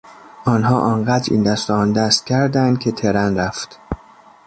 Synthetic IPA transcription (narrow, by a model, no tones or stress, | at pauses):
ʔɒːnɦɒːʔɒːɴɢæːd̪ɾḭːnd̪æst̪ɛɒːnd̪æst̪̚cʲʰæɾd̪ænd̪̥̚cʰet̪ʰeɾænɾæft̪